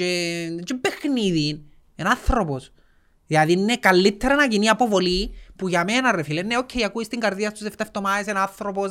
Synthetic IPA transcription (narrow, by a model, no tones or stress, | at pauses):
et͡ʃebexniðin | enɐθɾo̞pos | ðilɐðininekalːit̪ʰːeɾɐnɐciniɐpo̞vo̞lipuʝɐmenɐrefilenːeocʰːeiɐkuist̪iŋɡɐɾðiɐst̪uzeft̪eft̪omaesenɐnθɾo̞po